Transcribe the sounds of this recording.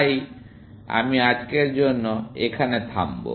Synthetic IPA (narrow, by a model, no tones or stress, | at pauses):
j | a̰miad͡ʑkeɾd͡ʑonːoekʰanet̪ʰambo̰